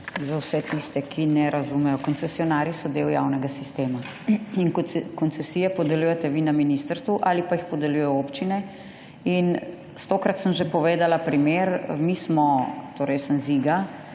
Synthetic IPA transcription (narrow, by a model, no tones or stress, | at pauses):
zawsɛt̪ist̪ɛkʰinɛɾazumɛjɔkɔnt̪sɛsijɔnaɾisɔd̪ewja̰ːwnɛɡasist̪eːma | inkɔnt̪sɛsijɛpɔd̪ɛlujɛt̪ɛʋinaminist̪əɾst̪ʋuʔalipaixpɔd̪ɛlujɔopt͡ʃinɛ | in | st̪oːkɾat̪səmʒepɔʋeːd̪alapɾimeɾmismɔt̪oːɾɛjsənziɡa